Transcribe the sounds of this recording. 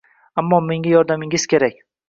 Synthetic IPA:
amːɒme̞ŋɡʲajɒɾd̪amɪŋɪz̥kʲe̞ɾak̚ʲ

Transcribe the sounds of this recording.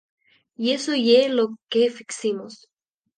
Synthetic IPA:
iesojelokefiksimos

